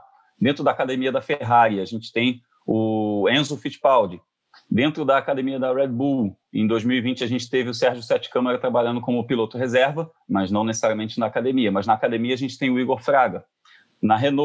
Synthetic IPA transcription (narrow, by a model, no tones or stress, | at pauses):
d̪ẽnt̪ɾʊd̪ɐakad̪emiɐd̪ɐfeɦaɾiaʒẽnt͡ʃɪ̥t̪ẽj̃ | ʊẽzofit͡ʃpawd͡ʒɪ | d̪ẽnt̪ɾʊd̪ɐːkad̪ẽmiɐd̪ɐɾɛd̪̚bu | ḛ̃j̃d̪ojzmiwivĩnt͡ʃɪɐʒẽnt͡ʃɪ̥t̪evɪʊsɛɾʒʊsɛt͡ʃɪ̥kɐ̃mɛɾɐt̪ɾabaʎɐ̃nd̪ʊkõmʊpilot̪ʊɦezɛɾvɐ | mɐznɐ̃w̃nesesaɾiɐmẽnt͡ʃɪnɐːkad̪emiɐmɐznɐːkad̪ẽmiɐaʒẽnt͡ʃɪ̥t̪ẽj̃ʊiɡoɾfɾaɡɐ | nɐɦeno